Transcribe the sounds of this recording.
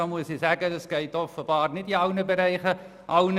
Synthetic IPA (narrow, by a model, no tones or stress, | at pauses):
ɑmuəsisæːɡədəsɡ̥ɛɪtɔfəbɑːrnɪtiɐwnəbəɾɛɪχə | ʔɑwn